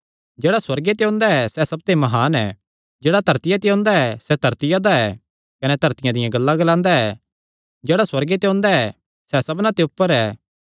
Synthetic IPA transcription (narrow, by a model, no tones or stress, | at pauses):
d͡ʒeːɽaswɐɾɡet̪eõːnd̪aɛsɛsɐb̚t̪emɐɦaːnɛ | d͡ʒeːɽat̪ɐɾt̪ɪjat̪eõːnd̪aɛsɛd̪ʱɐɾt̪ɪjad̪aɛ | kɐnɛt̪ɐɾt̪ɪjãd̪ɪjãɡɐlːaɡɐlãːnd̪aɛ | d͡ʒeːɽaswɐɾɡet̪eõːnd̪aɛ | sɛsɐbnat̪eʊpːəɾɛː